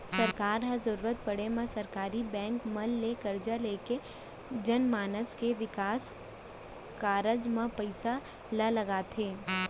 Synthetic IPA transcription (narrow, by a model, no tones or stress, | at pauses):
sɐɾkaːɾɦɐ̃zɐɾuːɾət̪̚pɐɽemẽsɐɾkaːɾibɛ̃ːŋkmɐlːekɐɾd͡ʒaleːke | d͡ʒɐnmaːnəskeʋɪkaːs | kaːɾəd͡ʒmẽpɐɪsa | lalɐɡaːt̪ʰeː